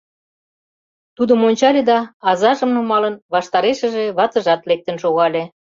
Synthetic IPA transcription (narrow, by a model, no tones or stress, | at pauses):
t̪ud̪ə̆monʲt͡ɕɑlʲed̪ɑɑzɑʒə̆mnumɑlənβɑʃt̪ɑɾeʃə̆ʒeβɑt̪ə̆ʒɑt̪lek̚t̪ə̆nʃoɣɑlʲe